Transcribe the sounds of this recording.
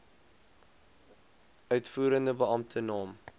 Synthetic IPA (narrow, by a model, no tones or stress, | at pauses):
œɥtfuːɾəndəbəɐmtʰənɑːm